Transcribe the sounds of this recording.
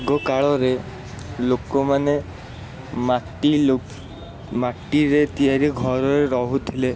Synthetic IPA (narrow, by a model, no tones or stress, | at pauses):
ɡɔkaɭɔɾe | lokɔmane | maʈio | maʈːiɾet̪iaɾiɡʱɔɾɔɾeɾɔɦut̪ʰile